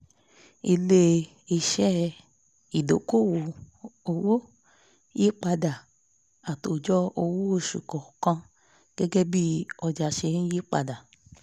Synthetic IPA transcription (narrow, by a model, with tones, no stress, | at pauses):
i˧le˦ | i˧ʃɛ˦ | i˨do˨˦ko˦˨wo˨ | o˧wo˦ | ji˦k͡pa˧da˨ | a˨to˨d͡ʒɔ˦o˧wo˦o˧˨ʃṵ˨kɔ˨kã˧ | ɡ̥ɛ˦ɡɛ˦bi˦ɔ˧d͡ʒa˧ʃe˧ñ̩˦ji˦k͡pa̰˧da˨